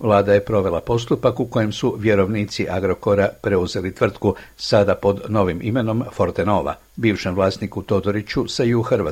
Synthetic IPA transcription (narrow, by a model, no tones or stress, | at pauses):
ʋlˠaːd̪aje̞pɾo̞ʋe̞lapo̞s̬t̪upakuko̞jemsuʋje̞ɾo̞ʋniːt̪siʔaɡɾo̞ko̞ɾapɾe̞uze̞lit̪ʋr̩t̪kusad̪apo̞d̪no̞ʋimʔime̞no̞mfo̞ɾt̪eno̞ːʋa̰ | biːʋʃemʋlˠaːst̪nikut̪o̞d̪o̞ɾit͡ʃusaiuxrʋa